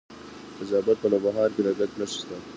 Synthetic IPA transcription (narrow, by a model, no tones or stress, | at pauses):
ɪzɑːbat̪̚pəlabaɦɑːɾkeɾaɡaknaʃi̥st̪a